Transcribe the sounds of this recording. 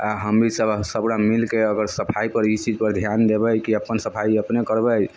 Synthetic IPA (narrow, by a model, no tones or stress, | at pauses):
aɦəmbisəbsəbɾamilkeəɡəɾsəpʰaipəɾit͡ʃid͡ʒpəɾd̪ʱjand̪ebəjkiəpːənsəpʰaiəpnekəɾbəj